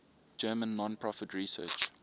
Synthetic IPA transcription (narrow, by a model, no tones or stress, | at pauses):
d͡ʒɜːmə̃nːɔ̃npʰɹɔfətʰɹisɜ̰ːt͡ʃ